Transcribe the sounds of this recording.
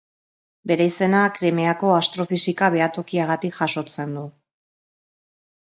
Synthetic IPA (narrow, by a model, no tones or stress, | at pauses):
be̞ɾaise̞nakɾeme̞ako̞ast̪ɾo̞fisikaβ̞e̞at̪o̞kiaɣ̞at̪ikʝaso̞t͡se̞nd̪u